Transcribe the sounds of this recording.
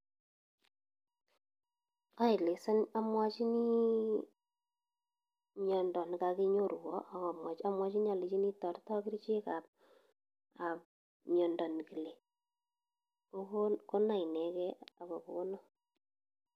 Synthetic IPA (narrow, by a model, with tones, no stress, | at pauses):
a˦ɪ˨le˨sa˦na˦mwa˦t͡ʃi˦ni˦ | ɲɔ˨ndɔ˨nka˧ki˦ɲo˦ɾwɔ̰˦ʔa˨ka˨mwa˨t͡ʃa˦mwa˦t͡ʃi˦ni˦a˨li˨t͡ʃi˦ni˦tɔ˨rtɔ˦ki˦ɾt͡ʃe˦ka˨p̚ | a˨p̚ | ɲɔ˨ndɔ˨n˨ki˨le˨ | o˦kko˦na˨i˨nɛ˨kɛ˦a˨kɔ˨ko˨o˦nɔ˦